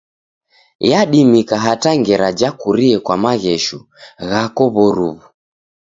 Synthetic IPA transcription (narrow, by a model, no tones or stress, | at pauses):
jaɗimikaɦataŋɡɛɾad͡ʒakuɾiɛkwamaɣɛʃu | ɣakɔβɔɾṵβu